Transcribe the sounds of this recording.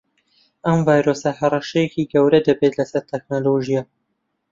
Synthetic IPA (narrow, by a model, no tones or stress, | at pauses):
ʔɐmvaːjɾosɐhɐrˤɐʃɛjɛkiɡɐwɾɐd̪ɐbet̪lɐsɐɾt̪ʰɛk̚noloʒija